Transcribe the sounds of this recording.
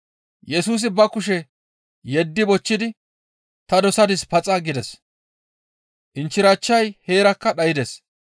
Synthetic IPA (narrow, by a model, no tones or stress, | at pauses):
jɛsuːs̬ɪbɐkʊʃ̬ɛ | jɛd̪ːɪbɔt͡ʃːɪd̪ɪ | t̪ɐd̪ɔsɐd̪ɪspɐt͡sʼɐɡɪd̪ɛs | ʔɪnt͡ʃːɪɾat͡ʃːɐjheːɾɐkːɐɗɐjɪd̪ɛs